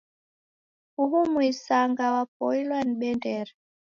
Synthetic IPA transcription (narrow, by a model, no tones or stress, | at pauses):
uɦumwisaŋɡawap̚ɔilwaniɓɛndɛɾɛ